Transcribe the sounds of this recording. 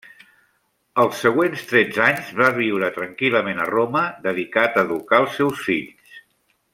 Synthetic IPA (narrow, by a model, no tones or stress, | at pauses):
əlˠsːəɣwenst̪ɾɛd͡zaɲzβaβ̞iwɾət̪ɾəŋkiləmenə̰roməðəðikat̪əːðukaəlˠsːɛwsfiʎs